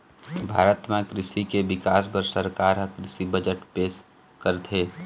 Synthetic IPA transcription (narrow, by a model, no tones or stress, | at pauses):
bʱa̰ːɾət̪mẽkɾɪsikebɪkaːs̬bəɾsəɾkaːɾɦəkɾɪsibəd͡ʒəʈpeːs | kəɾt̪ʰɦeː